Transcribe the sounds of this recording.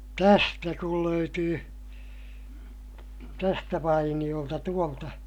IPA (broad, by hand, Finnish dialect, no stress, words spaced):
tæstæ kul løytyː tæstæ ʋɑinij̆oltɑ tuoltɑ